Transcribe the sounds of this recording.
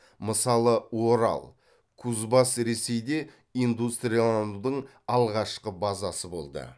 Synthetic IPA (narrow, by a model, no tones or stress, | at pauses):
məsɑlˠəwo̞ɾɑ̰lˠ | kʰuzbɑsɾe̞se̞jd̪e̞ | ind̪ust̪rijalˠaɑnud̪əɴ | ɑlˠʁɑʃqəbɑzɑsəbo̞̰lˠd̪ə̰